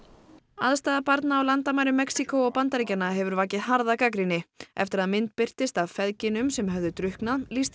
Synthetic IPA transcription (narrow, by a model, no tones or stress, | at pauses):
aðst̪aːðapaɾt̪naːwlant̪amaːjɾʏmːɛksikoɔɣpant̪aɾicanaɦɛvʏɾvaːcɪðɦaɾðakakɾinːɪʔɛft̪ɪɾaðmɪnt̪̚pɪr̥t̪ɪst̪aðfɛðcɪnʏmsɛmɦœvðʏt̪ɾʏhknaðlist̪